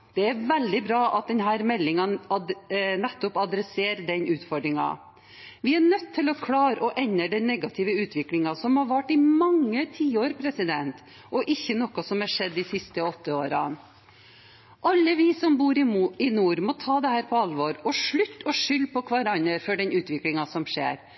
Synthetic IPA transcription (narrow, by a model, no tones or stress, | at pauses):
d̪̥ɛæɾʋɛld̪ɪbɾɑːʔɑt̪̚d̪ɛnhæːɾmɛlːɪŋɑnɑnɛt̪ːʊpɑd̪ɾɛseːɾd̪ɛnʔʉːt̪fɔɖɾɪŋɑ̰ | ʋɪæɳœt̪ʰːɪlɔkʰlɑːɾəʔɔʔɛɲːəɖɛnːɛɡɑt̪ʰɪʋəʉːt̪ʰʋɪklɪŋɑsɔmhɑɾʋæʈːɪmɑŋːət̪ʰiːoːɾpʰɾɛsɪd̪ɛnt̪ | ɔʔɪçːənɔkɔsɔmɑʂɛd̪ːɪsɪst̪əɔt̪ːəoːɾɑn | ʔɑlːəʋɪsɔmbuːɾɪɪnuːɾmɔt̪ʰɑːd̪ɛhæːɾpʰɔɑlʋoːɾɔʂɭʉt̪ːɔʂʏlːpʰɔkʰʋɑɾɑnːəɾfɔɖɛnʉːt̪ʋɪklɪŋɑsɔmʂḛːɾ